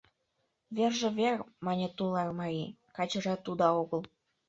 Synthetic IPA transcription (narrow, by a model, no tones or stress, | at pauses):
βerʒĕβʲermɑnʲet̪ulɑrmɑɾikɑt͡ɕɤ̆ʒɑt̪ud̪ɑoɣɤ̆l